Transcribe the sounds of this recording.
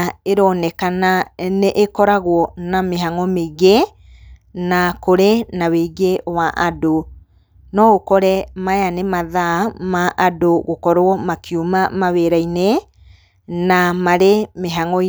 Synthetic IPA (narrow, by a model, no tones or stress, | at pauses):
eɾɔnɛkananeʔekɔɾaɣwɔnameɦaŋɔmeɣe | nakoɾenaweɣewaʔado | nɔɣokɔɾɛmajanemaðamaʔadoɣokɔɾwɔmakiomamaβeɾaine | namaɾemeɦaŋɔ